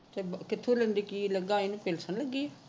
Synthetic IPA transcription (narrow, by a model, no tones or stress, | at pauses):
t̪ebkɪt̪ʰːolə̃nd̪ikiləɡaːenũːpeːlsənləɡija